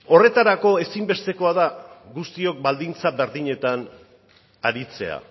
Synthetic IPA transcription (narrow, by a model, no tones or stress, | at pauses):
o̞re̞t̪aɾako̞e̞simbe̞st̪e̞ko̞aðaɡust̪io̞k̚bald̪int͡saβe̞ɾðiɲe̞t̪an | aɾit͡se̞a̰